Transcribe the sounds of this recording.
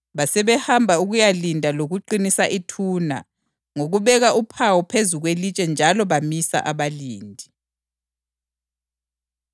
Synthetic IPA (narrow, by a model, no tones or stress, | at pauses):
βasɛβɛhambʱauɣujalindʱaloɣuǃinisaʔitʰuːna̰ | ŋoɣuβɛɣaʔupʰawɔpʰezuɣwelit͡ʃʼɛnd͡ʒʱalɔβamisa̰ʔaβaliːndʱi